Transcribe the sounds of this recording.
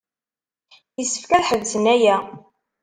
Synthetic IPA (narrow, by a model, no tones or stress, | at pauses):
jəsːə̥fkæðħəvsənæjæ